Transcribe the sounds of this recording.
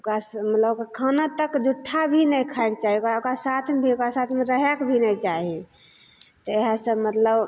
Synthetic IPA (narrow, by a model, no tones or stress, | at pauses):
kasmət̪ləbkekʰənat̪əkd͡ʒuʈʰːabʱinəjkʰaekt͡ʃaɦiokaokɾasat̪ʰmebʱiokɾasat̪ʰmeɾəɦɛkbʱinɛjt͡ʃaɦi | t̪ɔeɦasə̃mət̪ləb